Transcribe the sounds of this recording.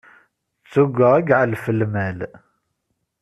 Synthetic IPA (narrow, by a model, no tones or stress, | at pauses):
t͡sːuɡʷəʁəɡʕalfəlmæl